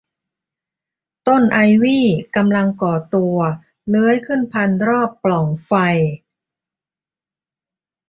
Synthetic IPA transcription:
t̪o˥˩nʔa˧jwiː˥˩ka˧mla˧ŋkɔː˨˩t̪u˧ɐ | lɯː˦˥əjkʰɯ˥˩npʰa˧nɾɔː˥˩pːlɔ˨˩˦ŋfa˧j

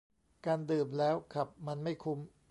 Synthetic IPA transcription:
kaː˧ndɯː˨˩m̚lɛː˦˥wkʰa˨˩p̚ma˧nma˥˩jkʰu˦˥m

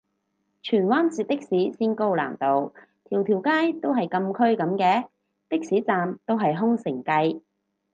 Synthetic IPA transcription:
t͡ʃʰyː˨˩nwaː˥nt͡siː˧t̚t̪ɪ˥k̚siː˨˥siː˥nko˥wla̰ː˨˩nt̪o˧w | t̪ʰiː˨˩wt̪ʰiː˨˩wkaː˥jt̪o˥wɦɐ˨jkɐ˧mkʰɵ˥ɥkɐ˨˧˥mkɛː˨˧ | t̪ɪ˥k̚siː˨˥t͡saː˨mt̪o˥wɦɐ˨jɦʊ˥ŋsɪ˨˩ŋkɐ˧j

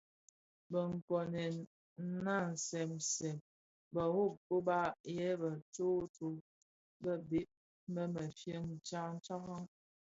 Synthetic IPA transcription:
bə˨ŋ̩˨kɔ˨nɛ˨n̩˦ | na˦˨n̩˨sɛ˨msɛ˨m | bə˨wo˦˨ko˦ba˦jɛ˦bə˨to˦to˨ | bə˦be˦p̚ | mə˦mə˨fjə˦ŋn̩˨t͡ʃa˦n̩˦t͡ʃa˦ɣɔ˦ŋ

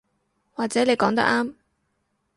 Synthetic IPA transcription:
waː˨k̚t͡sɛː˨˥ne˨˧jkɔː˨˥ŋt̪ɐ̰˥ʔaː˥m

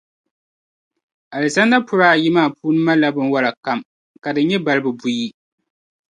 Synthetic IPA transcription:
ʔa˨lɨ˨sa˦nda˦pʰʊ˨ɾaː˦˨ji˦maː˦˨pʰuː˦nɨ˦ma˦la˦bɨ˦nwa˦la˨ka˦m | ka˨dɨ˨n˦ɲɛ˦ba˨lɨ˦bɨ˨bu˦ji˦

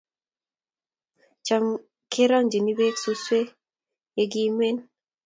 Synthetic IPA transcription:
t͡ʃa˨m | kʰe˦ɾɔ˦ŋd͡ʒi˨ni˦be˦ksu˦swe˦ | e˨ɡi˦me˦n

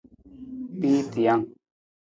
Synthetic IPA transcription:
piː˦t̪i˨ja˦ŋ

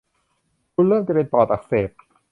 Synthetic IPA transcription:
kʰu˧nlɤː˥˩mt͡ɕa˧weː˧npɔː˨˩t̪ʔa˨˩k̚seː˨˩p̚

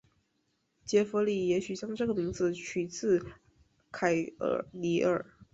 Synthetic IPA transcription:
t͡ɕjɛ˧˥fu˧˥li˥˩jɛ˧˥ɕy˨˩ɕjɑ˥ŋʈ͡ʂɤ˥˩ɡə˩mi˧˥ŋd͡zɹ̩˧t͡ɕʰy˨˩t͡sʰɹ̩˥˩ | kʰa˨˩ɪə̰˧˨˩ni˧˥ə˞˨˩˦

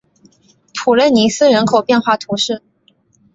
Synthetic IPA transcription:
pʰu˨˩lə˥˩ni˧˥sɹ̩˥ɻə˧˥nkʰo˨˩ʊpjɛ˥˧nxwa˥˩t̪ʰu˧˥ʂɻ̩˥˩

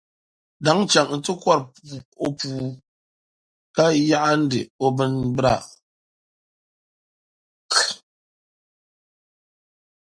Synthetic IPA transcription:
da˨˦ŋ˦t͡ʃa˨ŋ˨n̩˦tɨ˦kwa˦ɾpu˨o˦puː˨ | ka˦ja˦ʔa˦n̩˦dɨ̰˨o˦bɨ˦nbɾa̰˦˨

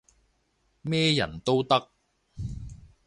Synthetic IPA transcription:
mɛː˥jɐ̰˨˩nt̪o˥wt̪ɐ˥k̚

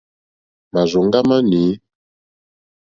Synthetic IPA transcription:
ma˨zɔ˨ŋ˦ɡa˦ma˦ni˨˦

